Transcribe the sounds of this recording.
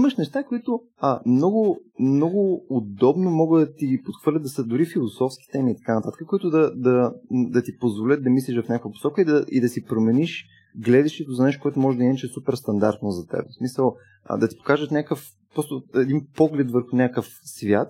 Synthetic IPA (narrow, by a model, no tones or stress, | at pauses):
iməʃnɛʃt̪akoit̪ʊ | əmnɔɡʊ | mnɔɡʊːd̪ɔbnomɔɡəd̪ɐt̪iɡipot̪xvɤəɾlʲəd̪d̪ɐsəd̪ʊɾifilˠosɔfskʲi̥t̪ɛmiːt̪ɐ̥kanɐt̪at̪ə̥kəkoit̪ʊd̪ɐd̪ɐd̪ɐt̪ipozvolʲət̪̚d̪ɐmislʲiʃvɐfnʲakvəpo̥sɔkəid̪ɐḭd̪ɐsipɾomɛniʃ | ɡlɛd̪ɛʃt̪ɛt̪ʊzɐnɛʃt̪okoɛt̪ʊmɔʒɛd̪ɐinɐt͡ʃɛsupɛɾst̪ɐnd̪a̰ɾt̪nozɐt̪ɛ̰bɛsmisəl̰ˠ | d̪ɐt̪i̥po̥kaʒət̪nʲakəf | pɾɔst̪ʊɛd̪inpɔɡlɛt̪vəɾxʊnʲakəfsvja̰t̪̚